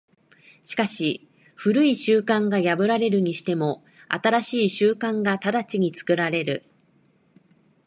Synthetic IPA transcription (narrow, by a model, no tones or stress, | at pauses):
ɕi̥kaɕi | ɸɯ̟ɾɯ̟iɕɨːkãŋɡajabɯ̟ɾaɾe̞ɾɯ̟ɲ̟iɕi̥t̪e̞mo̞ | a̰t̪aɾaɕiːɕɨːkãŋɡat̪ad̪at͡ɕiɲ̟it͡sɨ̥kɯ̟ɾaɾe̞ɾɯ̟